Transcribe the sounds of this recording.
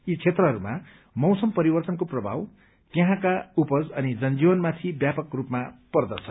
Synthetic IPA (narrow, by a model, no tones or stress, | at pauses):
it͡sʰet̪rʌɦʌɾuma | mʌwsʌmpʌɾibʌrt̪ʌnkoprʌbʱa̰w | t̪jeɦãkaupʌd͡zʌnid͡zʌnd͡ziwʌnmat̪ʰibjapʌkrupmapʌrd̪ʌsʰʌn